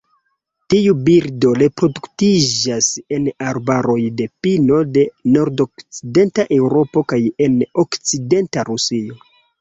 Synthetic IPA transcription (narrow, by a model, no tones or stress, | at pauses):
tiubiɾdo̞ɾe̞pɾo̞duktid͡ʒase̞naɾbaɾo̞jde̞pino̞de̞no̞ɾdo̞kt͡side̞ntaʔe̞wɾo̞po̞kaje̞no̞kt͡side̞ntaɾusio̞